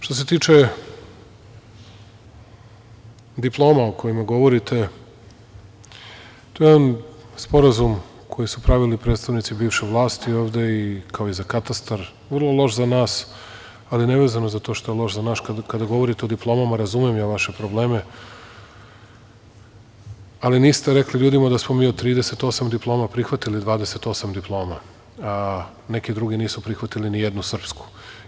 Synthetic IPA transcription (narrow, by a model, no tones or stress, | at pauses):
ʃt̪o̞s̬e̞t̪iːt͡ʃe̞ | d̪iplˠo̞ːmaoko̞jimaɡo̞ʋo̞ɾit̪ʰe̞ | t̪o̞jeed̪anspo̞ɾazum | kʰo̞jisupɾaʋilipɾeːt̪st̪aʋnit̪sibiːʋʃeʋlˠaːst̪io̞ːʋd̪e̞ikʰao̞izakat̪ast̪aɾ | ʋr̩lˠo̞lˠo̞ʃzanaːs | alineʋe̞ːzanozat̪o̞ːʃt̪o̞jelˠo̞ʃzanaːʃkakad̪aɡo̞ʋo̞ɾit̪eo̞d̪iplˠo̞ːmamaɾazumiemjaʋaʃe̞pɾo̞ble̞ːme | aliniːst̪eɾe̞kliʎuːd̪imad̪asmo̞miːot̪ɾiːd̪ese̞t̪o̞samd̪iplˠo̞ːmapɾixʋat̪ilid̪ʋaːd̪e̞se̞t̪o̞samd̪iplˠo̞ːma | ne̞kid̪ɾuɡiniːsupɾixʋat̪ilinijed̪nusr̩psku̥